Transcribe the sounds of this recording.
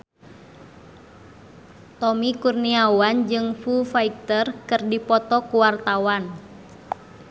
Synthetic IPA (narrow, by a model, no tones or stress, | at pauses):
t̪ɔmikurniawand͡ʒɨŋfufaik̚t̪ərkɨrdipɔt̪ɔkuwart̪awan